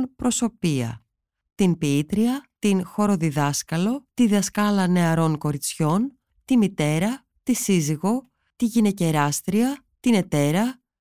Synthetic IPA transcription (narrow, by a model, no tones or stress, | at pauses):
npɾo̞so̞piɐ̰ | t̪inpiit̪ɾiɐt̪inxo̞ɾo̞ðiðɐskɐlo̞t̪iðɐskɐlɐne̞ɐɾo̞ŋko̞ɾit͡sço̞n | t̪imit̪e̞ɾɐ | t̪isiziɣo̞ | t̪iʝine̞ce̞ɾɐst̪ɾiɐ | t̪ine̞t̪e̞ɾɐ